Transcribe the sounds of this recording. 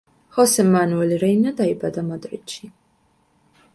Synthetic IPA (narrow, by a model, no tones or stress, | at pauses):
hɔsɪmːɐnuliɾɛjnɐd̪ɐjbɐd̪ɐmɐd̪ɾɪ̰t͡ʃːi